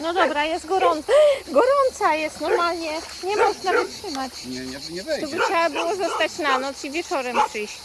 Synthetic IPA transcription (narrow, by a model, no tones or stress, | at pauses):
nɔd̪ɔbɾajɛst̪ɡɔɾɔnt̪ɡɔɾɔnt̪sajɛst̪nɔɾmalɲɛ | ɲɛmɔʐnaɡɔt̪ʂɘmat͡ɕ | ɛbɘxt͡ɕawabɘɨwɔzɔst̪at͡ɕnanɔt̪sivʲjɛt͡ʂɔɾɛmpʂɘjɕ